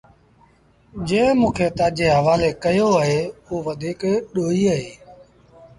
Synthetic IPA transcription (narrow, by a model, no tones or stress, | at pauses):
d͡ʒẽːmũːkʰeːt̪ãːd͡ʒeːɦəʋaːleːkəjoːəɦeːoːʋəd̪ʱiːkɗoːiːəɦeː